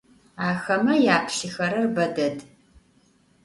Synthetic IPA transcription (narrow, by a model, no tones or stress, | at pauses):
aːxɐmɐjaːpʰʃɪxɐɾɐrbɐdɐd